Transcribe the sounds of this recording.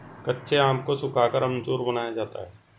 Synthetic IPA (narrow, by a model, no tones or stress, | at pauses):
kɐtːʃʰeaːmkosʊkʰaːkəɾɐ̃mt͡ʃuːɾbɐnaːjad͡ʒaːt̪a̰ɦɛː